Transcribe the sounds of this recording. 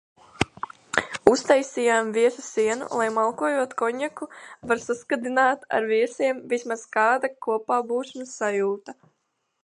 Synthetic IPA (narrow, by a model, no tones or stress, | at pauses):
ust̪ajsijaːmviɛsusiɛnṵlˠajmalˠkuɔjuɔt̪kɔɲakuvaɾsaskad̪inaːt̪a̰ɾviɛsiɛmvismaz̥kaːd̪akuɔpaːbuːsmasːajuːt̪a